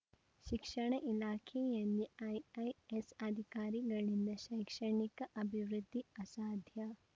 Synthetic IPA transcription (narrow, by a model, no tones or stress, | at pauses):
ʃikʂɐɳ̃ɐʔilaːkʰeːjaniajajesɐd̪ʱikaːɾiɡɐɭind̪ɐʃɐjkʂɐɳikɐʔɐbʱiʋɾud̪ʱːiɐsaːd̪ʱja